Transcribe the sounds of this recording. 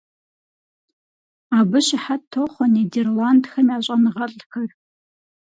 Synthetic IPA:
abɨʃɪħatʰːoχʷɔnederlandxɐmiaɕʷʼanʁɐɬʼxʰɐr

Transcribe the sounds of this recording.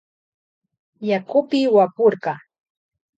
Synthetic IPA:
jakʊpɪwapoɾɢɑ

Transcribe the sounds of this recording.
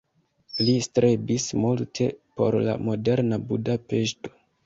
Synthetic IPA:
listɾʔebismultʰe̞̰po̞̰ɾla̰mo̞de̞ɾnabudape̞ʃto̥

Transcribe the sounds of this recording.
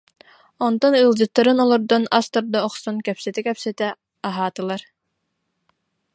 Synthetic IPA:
ɔnt̪ɔnɯlˠd͡ʑɯt̪ːaɾɯnɔlˠɔɾd̪ɔnast̪ɔɾd̪ɔːχsɔnkɛpsɛt̪ɛkɛpsɛt̪ɛ | aɦaːt̪ɯlˠaɾ

